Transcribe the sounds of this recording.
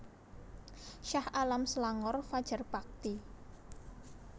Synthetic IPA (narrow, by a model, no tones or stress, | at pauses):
ʃahʔalamsəlaŋɔrfad̥ʒ̥ə̤rb̥ak̚t̪i